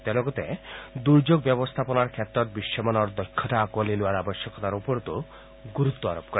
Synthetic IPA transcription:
t̪ɔlɔɡɔt̪ed̪uɾd͡ʒoɡ̚bɛbɔst̪ʰapɔnaɾkʰet̪ːɾɔɾ̚biʃːɔmanɔɾd̪ɔjkʰːɔʈaːkualelaɾabɔʃjɔkɔt̪aɾopɔɾɔt̪o | ɡuɾut̪ːɔaɾopkɔɾe

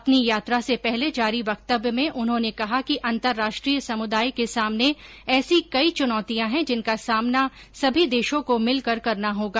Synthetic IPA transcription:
ɐpnijaːt̪ɾasepɛɦled͡ʒaːɾiʋɐkt̪əbmẽʔʊnɦõnekɐɦakiʔɐ̃nt̪əɾːaːʃʈɾijsɐmʊd̪aːjkesaːmne | ɛːsikɐit͡ʃʊnɔːt̪ijãɦɛ̃d͡ʒɪnkasaːmna | sɐbʱid̪eːʃõkomɪlkɐɾkɐɾnaɦoːɡaː

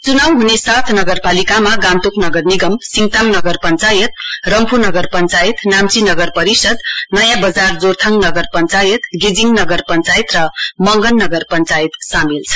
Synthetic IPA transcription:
t͡sunawɦunesat̪ʰnʌɡʌrpalikamaɡãnt̪oknʌɡʌrniɡʌmsiŋt̪amnʌɡʌrpʌnt͡sajʌt̪rʌmpʰunʌɡʌrpʌnt͡sajit̪namt͡sinʌɡʌrpʌɾisʌd̪nʌjãbʌd͡zard͡zort̪ʰʌŋnʌɡʌrpʌnt͡sajʌt̪ɡid͡ziŋnʌɡʌrpʌnt͡sajt̪rʌmʌŋɡʌnːʌɡʌrpʌnt͡sajt̪samilt͡sʰʌ̥

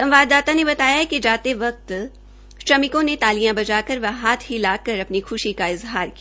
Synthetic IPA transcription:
sɐ̃mʋaːd̪ːaːt̪anebɐt̪aːjaɦɛked͡ʒaːt̪eʋɐk̚t̪ | ʃɾɐmɪkõnet̪aːlijãbɐd͡ʒaːkɐɾʋɐɦaːt̪ʰɦilaːkɐɾɐpnixʰʊʃikaɪzɦaːɾki

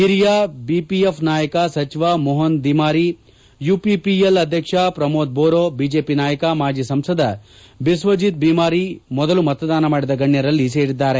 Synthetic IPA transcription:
iɾijaːbiːpiepʰnaːjɐkɐsɐt͡ʃiʋaːmɔɦɐnd̪imaːɾi | juːpipielɐd̪ʱjɐkʂɐpɾɐmoːd̪̚boːɾoːbiːd͡ʒeːpinaːjɐkɐmaːd͡ʒisɐmsɐd̪ɐ | bisʋɐd͡ʒit̪̚biːmaːɾimɔd̪ɐlumɐt̪ɐd̪aːnɐmaːɽid̪ɐɡɐɳjɐɾɐlːise̞ːɾid̪ːaːɾe

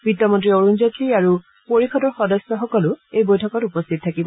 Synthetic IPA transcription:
bidɔmɔ̃ntɹioɹunzatʰiaɹu | poɹixɔdɔɹxɔdɔsjɔxɔkɔlʊejbojtʰɔkɔtupɔst̪ʰit̚tʰakibɔ

